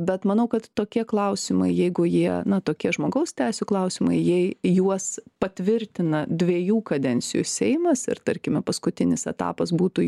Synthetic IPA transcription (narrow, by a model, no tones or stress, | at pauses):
bʲɛt̪mɐnɐʊkɐt̪toːkʲiɛklˠɐʊsʲɪmɐ̰ɪjɛɪɡʊjiɛnɐt̪oːkʲiɛʒmoːɡɐʊst̪ʲɛɪsʲuklˠɐʊsʲɪmɐ̰ɪjiɛjuɔspɐt̪ʲʋʲɪɾʲt̪ʲɪnɐd̪ʲʋʲiɛjuːkɐd̪ʲɛnʲt͡ssʲɪjʊ̰sʲɛɪmɐsɪ̰ɾt̪ɐɾʲkʲɪmʲɛpɐskʊt̪ʲɪnʲɪsɛt̪ɑ̰ːpɐsbuːt̪ʊ